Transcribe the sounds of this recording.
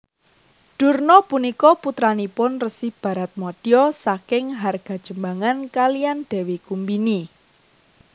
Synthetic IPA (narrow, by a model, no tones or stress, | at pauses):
ɖ̥ṳrnɔpunikɔput̪ɾanipʊnrəsɪhb̥ä̤ɾat̪̚mɔd̥iɔsakɪŋɦarɡ̥a̤d̥ʒ̥ə̤mbaŋankalijanɖ̥ɛ̤wekumbini